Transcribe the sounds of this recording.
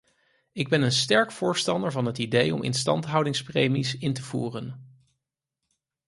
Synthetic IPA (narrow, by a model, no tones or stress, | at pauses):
ɪɡ̚bɛnənstɛɹkfʊːɹstɑndəɹvɑnɦətidejɔ̰mʔɪ̰nstɑ̰ntɦʌwdɪŋsprejmisɪntəvṵːrən